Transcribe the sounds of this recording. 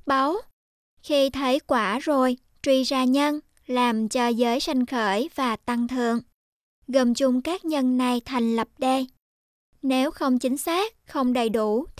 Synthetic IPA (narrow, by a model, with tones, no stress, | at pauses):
ɓa˨˦w | xi˧t̪ʰə˨˦jkwaː˧˩zo˨˩j | t͡ɕwi˧zaː˧ɲə˧n | laː˨˩mt͡ɕɔ˧zəː˨˦jsa˧jŋ̟xəː˧˩jvaː˨˩t̪a˧ŋt̪ʰɨ̰˨əŋ | ɣə˨˩mt͡ɕʊ˧ŋ͡mkaː˦˥k̚ɲə˧nːa˧˩jt̪ʰa˨˩jŋ̟lə˨˩p̚ɗe˧ | ne˨˦wxə˧wŋ͡mt͡ɕï˨˦ŋ̟saː˦˥k̚xə˧wŋ͡mɗə˨˩jɗu˧˩